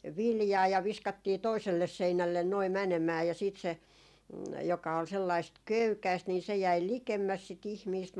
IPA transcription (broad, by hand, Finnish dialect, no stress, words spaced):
ʋiljɑː jɑ ʋiskɑtːiː toiselːes seinælːen noi mænemæː jɑ siːt se jokɑ ol selːɑist køykæist niː se jæi likemːæs sit ihmiːst